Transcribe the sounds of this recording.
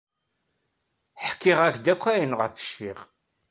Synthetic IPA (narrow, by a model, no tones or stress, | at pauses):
ħkːɪʁækd̪ækʷːæjənʁə̰fə̥ʃfḭʁ